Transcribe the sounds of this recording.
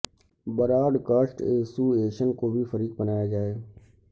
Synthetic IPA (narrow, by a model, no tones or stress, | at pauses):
bəɾaːɖkaːsʈeːsuːeːʃənkoːbʱifəɾiːk̚bɐnaːjad͡ʒaːeː